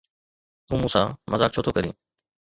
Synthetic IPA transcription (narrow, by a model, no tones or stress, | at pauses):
ũːmũːsã̰ːmə̰zaːk̚t͡ʃʰoːt̪ʰoːkəɾḭ̃ː